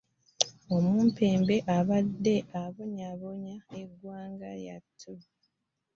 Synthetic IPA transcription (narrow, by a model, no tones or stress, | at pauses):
o̞muːmpe̞ːmbe̞ʔaβadːe̞ʔaβoɲaβoɲaeɡwaːŋɡa̰ja̰tʰːu